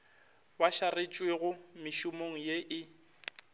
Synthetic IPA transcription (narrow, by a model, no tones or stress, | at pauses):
waʃaret͡ʃʼweɣʊmɪʃʊmoŋ̩jeʔɪ